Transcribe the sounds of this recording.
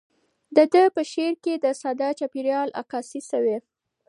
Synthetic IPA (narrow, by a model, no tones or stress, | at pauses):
d̪əd̪əpəʃeɾked̪əsad̪ɑt͡ʃɑpiɾjɑla̰kɑsisawe